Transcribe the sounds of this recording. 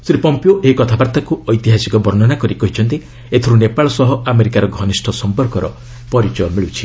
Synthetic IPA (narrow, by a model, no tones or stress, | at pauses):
sɾipɔmpioʔeɦikɔt̪ʰabaɾt̪akuɔjt̪iɦasikɔbɔɾnɔnakɔɾikɔɦit͡ʃʰɔnt̪i | et̪ʰɔɾunepaɭɔsɔɦɔʔameɾikaɾɔɡʱɔnisʈʰɔsɔmpɔɾkɔɾɔ̰ | pɔɾit͡ʃɔjɔmiɭut͡ʃʰi